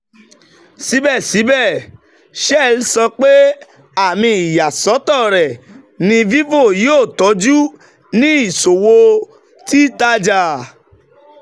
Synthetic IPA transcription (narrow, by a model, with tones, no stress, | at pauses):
si˨˦bɛ˦˨si˨˦bɛ˦˨ | ʃɛ˦˨lsɔ˧k͡pe˦ | a˦˨mĩ˧˦i˨ja˨sɔ˨˦tɔ˦˨ɾɛ˨ | nĩ˧vi˦vo˦˨ji˦o˦˨tɔ˨˦d͡ʒu˦ | nĩ˦i˦˨so˨wo˧ | ti˦ta˦d͡ʒa˦˨